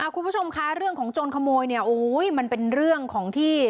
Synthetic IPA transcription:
ʔaː˧˩ku˧npbu˥˩t͡ɕʰo˧mkʰa˦˥ɾɯ˥˩əŋkʰɔː˩˦ŋt͡ɕoː˧nkʰa˧moː˧jni˥˩ɐʔoː˨˩˦jma˧npe˧nɾɯ˥˩əŋkʰɔː˩˦ŋt̪ʰiː˥˩

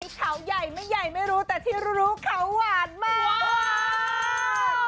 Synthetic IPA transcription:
kʰa˦˥wja˨˩jma˥˩jːa˨˩jma˥˩jɾuː˦˥t̪ɛː˨˩t̪ʰiː˥˩ɾɾuː˦˥kʰa˦˥wwaː˨˩n̚maː˥˩

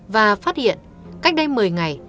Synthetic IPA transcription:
vaː˨˩faː˦˥t̚hḭ˧˨ən | ka˦˥jk̚ɗə˧jmɨ˨˩əjŋa˨˩j

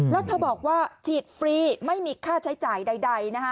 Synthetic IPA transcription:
lɛː˦˥wt̪ʰaː˥˩bɔː˨˩k̚waː˥˩t͡ɕʰiː˨˩t̪̚fɾiː˨˧ma˥˩jmiː˧kʰaː˥˩t͡ɕʰa˦˥jt͡ɕaː˨˩jda˧jda˧jna˦˥kʰa˦˥

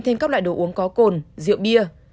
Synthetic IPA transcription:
t̪ʰe˧nkaː˦˥lwaː˧˨ɗo˧˩ʔu˨˦əŋkɔ˨˦ko˨˩nzḭ˧˨əwɓi˧ə

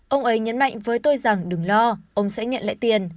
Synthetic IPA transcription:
ʔə˧wŋ͡mʔə˨˦jɲə˨˦nma̰˧˨jŋ̟vəː˨˦jt̪o˧jza˨˩ŋɗɨ˨˩ŋlɔ˧ʔə˧wŋ͡msɛ̰˧˥ɲə̰˧˨nla̰ː˧˨jt̪i˨˩ən

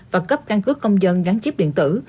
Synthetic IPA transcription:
vaː˨˩kə˦˥p̚ka˧nkɨ˦˥əkːə˧wŋ͡mzə˧nɣaː˨˦nt͡ɕi˦˥p̚ɗḭ˧˨ənt̪ɨ˧˩

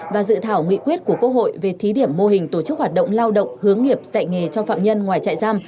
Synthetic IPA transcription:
vaː˨˩zɨ̰˧˨t̪ʰaː˧˩wŋḭ˧˨kwi˦˥ət̚ku˧˩əkə˧ɦo̰˧˨jve˨˩t̪ʰi˨˦ɗi˧˩əmːo˧hï˨˩ŋ̟t̪o˧˩t͡ɕɨ˦˥k̚haː˨˩t̚ɗə̰˧˨wŋ͡mlaː˧wɗə̰˧˨wŋ͡mhɨ˨˦əŋːi˨˩əp̚za̰˧˨jŋe˨˩t͡ɕɔ˧fa̰ː˧˨mɲə˧nŋwaː˨˩jt͡ɕa̰ː˧˨jzaː˧m

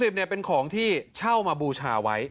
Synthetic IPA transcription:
si˨˩ni˧˩əpe˧nkʰɔː˩˦ŋt̪ʰiː˥˩t͡ɕʰa˥˩wmaː˧buː˧t͡ɕʰaː˧wa˦˥j

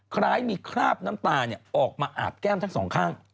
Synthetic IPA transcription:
kʰɾaː˦˥˩jmiː˧kʰɾaː˥˩p̚naː˦˥mt̪aː˧ni˥˩ɐʔɔː˨˩k̚maː˧ʔa̰ː˨˩t̪̚kɛː˥˩mt̪ʰa˦˥ŋsɔ̰ː˩˦ŋkʰaː˥˩ŋ

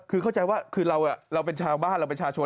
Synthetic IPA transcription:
kʰɯː˧kʰa˥˩wt͡ɕa˧jwaː˥˩kʰɯː˧ɾa˧wʔa˨˩ɾa˧wp̬e˧nt͡ɕʰaː˧ŋbaː˥˩nɾa˧wpe˧nt͡ɕʰaː˧˩t͡ɕʰo˧

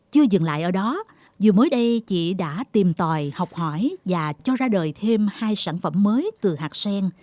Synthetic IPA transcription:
t͡ɕɨ˧əzɨ˨˩ŋla̰ː˧˨jʔəː˧˩ɗɔ˨˦ | zu˨˩məː˨˦jɗə˧jt͡ɕḭ˧˨ɗa̰ː˧˥t̪i˨˩mt̪waː˨˩jha˨˩wk͡p̚hɔ˧˩jvaː˨˩t͡ɕɔ˧zaː˧ɗəː˨˩jt̪ʰe˧mhaː˧jsaː˧˩nfə˧˩mːəː˨˦jt̪ɨ˨˩haː˨˩k̚sɛ˧ŋ

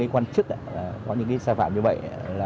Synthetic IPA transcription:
aː˨˦kwaː˧nt͡ɕɨ˦˥k̚ʔaː˨˦˨kɔ˨˦ɲɨ̰˧˥ŋk̬aː˨˦saː˧fa̰ː˧˨mɲɨ˧və̰˧˨jlaː˨

